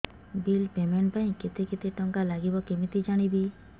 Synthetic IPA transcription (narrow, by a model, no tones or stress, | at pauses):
bilpemeɳʈpaĩket̪ekit̪eʈɔŋkalaɡibɔkemit̪id͡ʒaɽ̃ibi